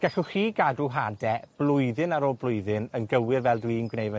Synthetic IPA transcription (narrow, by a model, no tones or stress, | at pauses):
ɡ̥ɛɬuχiːɡadruɦadɛb̥lˠʊɨðɨnaɾɔblˠʊjðɨnənɡəwɪrvɛlˠdwinɡwnejvɛ